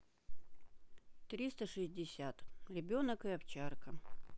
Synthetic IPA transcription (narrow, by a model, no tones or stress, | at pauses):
t̪ɾʲist̪əʂɨsʲdʲɪsʲat̪ɾʲɪbʲonəkɨɐpt͡ɕarkə